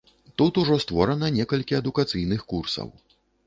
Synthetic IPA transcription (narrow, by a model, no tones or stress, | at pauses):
t̪ut̪uʐɔst̪vɔɾɐnɐnʲɛkɐlʲkʲiɐd̪ukat̪sɨjnɨxkursɐ̰w